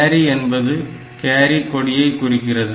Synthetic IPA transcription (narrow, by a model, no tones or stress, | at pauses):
ɾiɛnbɐðɯ | keːɾikːɔɽɪjɐɪkːʊɽɪkːɪrɐðɯ